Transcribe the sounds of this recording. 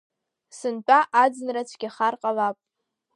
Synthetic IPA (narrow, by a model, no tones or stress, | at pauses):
sɨnt͡pʷʼaʔad͡zɨnrat͡ɕʷʰɡʲaχarqʼalapʼ